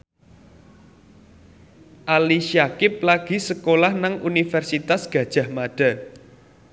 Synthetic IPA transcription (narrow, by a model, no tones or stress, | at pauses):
ʔaliʃiakɪp̚laɡ̥i̤səkolahnaŋunifɛrsit̪asɡ̥ä̤d̥ʒ̥a̤hmaɖ̥a̤